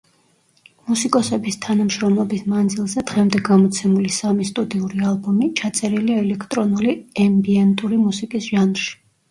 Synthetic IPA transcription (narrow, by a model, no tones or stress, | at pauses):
musikʼɔsɛbist̪ʰanamʃɾɔmlˠɔbismand̪zilˠzɛd̪ʁɛmd̪ɛɡamɔt̪sʰɛmulisamist̪ʼud̪iuɾialˠbɔmit͡ʃʰat̪sʼɛɾiliaɛlɛkʰt̪ʼɾɔnuliɛmbiɛnt̪ʼuɾimusikʼisʒ̥anʁʃi̥